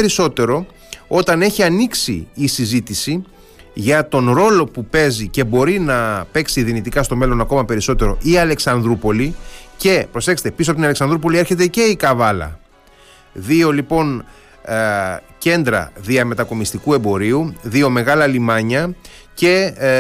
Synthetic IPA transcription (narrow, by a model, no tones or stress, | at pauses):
eɾiso̞t̪e̞ɾo̞ | o̞t̪ɐne̞çiɐniksiːsizit̪isi | ʝɐt̪o̞nɾo̞lo̞pupe̞zice̞bo̞ɾinɐpe̞ksiðinit̪ikɐst̪o̞me̞lo̞nɐko̞mɐpe̞ɾiso̞t̪e̞ɾo̞ʔiɐle̞ksɐnðɾupo̞lice̞pɾo̞se̞kse̥t̪episoɐpot̪inɐleksɐnðɾupo̞lie̞ɾçe̞t̪̬e̞ce̞ikɐvɐlɐ̰ | ðio̞lipo̞n | ce̞nd̪ɾɐ̰ðiɐme̞t̪ɐko̞mist̪ikue̞mbo̞ɾiuðio̞me̞ɣɐlɐlimɐɲɐ | ce̞